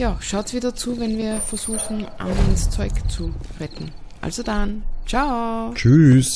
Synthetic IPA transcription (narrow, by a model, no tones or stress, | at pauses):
jaːʃaʊtsv̥iːdɐt͡suːvɛnviːɐfɛɐz̥uːxŋ̩ʔa̰nst͡sɔʏkt͡suʁɛtn̩ | ʔa̰lzodant͡ʃaʊt͡ʃys